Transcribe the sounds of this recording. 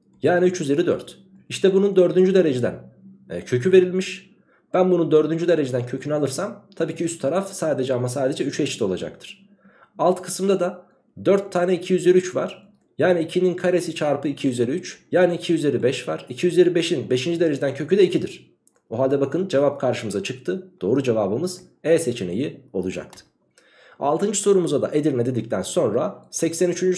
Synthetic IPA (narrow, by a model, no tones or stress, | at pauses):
jaːniyt͡ʃjyzjeɾid̪ø̰ɾt̪ | iʃt̪ʰɛbunund̪ø̞ɾd̪ynd͡ʒyd̪e̞ɾe̞d͡ʒed̪æ̰ncʰø̞cʰyve̞ɾilʲmiʃ | b̥ænbunund̪ø̞ɾd̪ynd͡ʒyd̪e̞ɾe̞d͡ʒed̪æncʰø̞cʰynyalˠɯɾsamt̪ʰabiːcʰiyst̪ʰːaɾafsaːd̪e̞d͡ʒɛamasaːd̪e̞d͡ʒɛyt͡ʃet͡ʃt̪ʰɛo̞lˠa̰d͡ʒa̰k̚t̪ʰɯ̥ɾ̥ | alˠt̪kʰɯ̥sɯmd̪ad̪a | d̪øɾt̪ʰːaːnɛicʰijyzeɾiyt͡ʃva̰ɾ̥ | jaːniːcʰininkʰaɾe̞sit͡ʃʰaɾpɯicʰijyzeɾiyt͡ʃjaːniicʰijyzeɾʲːibɛʃvaɾ̥icʰijyzeɾʲːibe̞ʃinbe̞ʃind͡ʒid̪e̞ɾe̞d͡ʒed̪æncʰø̞cʰyd̪ɛicʰid̪iɾ̥ | oɦalʲd̪ɛbakɯnd͡ʒe̞vap̚kʰaɾʃɯmɯzat͡ʃʰɯk̚t̪ʰɯd̪̥o̞ːɾud͡ʒevaːbɯmɯz̥ | ɛse̞t͡ʃʰene̞jio̞̰lˠud͡ʒa̰k̚t̪ʰɯ̥ | a̰lˠt̪ɯnd͡ʒɯso̞ɾumuzad̪a̰ʔe̞d̪iɾʲmɛd̪ed̪ic̚t̪ʰænso̞nɾasɛcsænyt͡ʃʰynd͡ʒy